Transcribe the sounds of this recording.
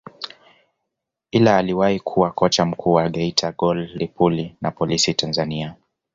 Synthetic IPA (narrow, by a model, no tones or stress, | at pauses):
ilaːliwahikʰuwakɔt͡ʃam̩kʰuːwaɠɛitʰaɡɔllipulinapɔlisitanzania